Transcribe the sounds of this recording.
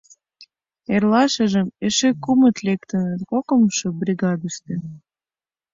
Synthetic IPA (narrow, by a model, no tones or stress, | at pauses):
erlɑʃə̆ʒəmeʃekumət̪lekt̪ənət̪kokəmʃobrʲiɣɑd̪yʃt̪e